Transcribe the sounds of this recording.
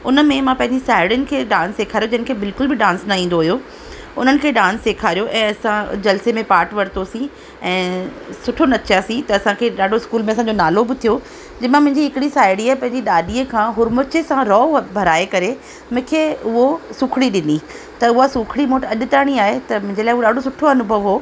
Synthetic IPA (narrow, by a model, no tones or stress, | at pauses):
ʊnəmẽmãpɐ̃ɦɪ̃ɲd͡ʑisaːɪɽjənɪ̆kʰeːɗãːnsːeːkʰaːɾijod͡ʑɐɦnɪ̆kʰeːbɪlkʊlbɪɗãːnsnaĩːnd̪oɦʊjo | ʊn̤ənɪ̆kʰeːɗãːnsːeːkʰaːɾijoʔɛ̃ːɐsãd͡ʑɐlsemẽpaːɾʈʋɐɾt̪osĩ | ɛ̃ːsʊʈʰonɐt͡ɕʰaːsĩt̪ɐːsãkʰeːɗaːɖʱoɪskuːlmẽɐsãɲd͡ʑonaːlobɪt̪ʰijo | d͡ʑɐmãmʊ̃ɦɪ̃ɲd͡ʑiɦɪkɪɽisaːɪɽijapɐ̃ɦɪ̃ɲd͡ʑiɗaːɗiəkʰãːɦʊɾmʊt͡ɕesãɾɔːbʱɐɾaːekɐɾe | mʊ̃ɦkʰeːʊɦosʊkʰɽ̃iɗɪni | t̪ɐʊɦasʊkʰɽimoːʈɐɗɪ̆t̪aːɽ̃iaːɦet̪ɐmʊ̃ɦɪ̃ɲd͡ʑelaːɪɦuoɗaːɖʱosʊʈʰoɐnʊbʱɐʋɦoː